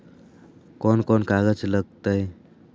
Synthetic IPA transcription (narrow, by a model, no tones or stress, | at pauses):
kɔnkɔnkaɡəd͡ʒləɡ̚t̪əj